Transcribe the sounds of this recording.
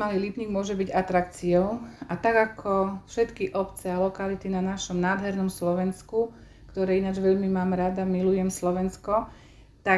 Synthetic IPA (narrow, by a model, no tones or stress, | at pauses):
maliliːpɲiːɡmʊɔʒɛbiɟat̪ɾakt͡siɔʊat̪aɡakʰɔfʃɛt̪kiʔɔpt͡sɛalɔkalit̪inanaʃɔmnaːd̪ɦɛɾnɔmslɔʋɛnsku | kt̪ɔɾɛːinad͡ʒʋɛʎmimaːmɾad̪amilujɛmslɔʋɛnskɔ | t̪a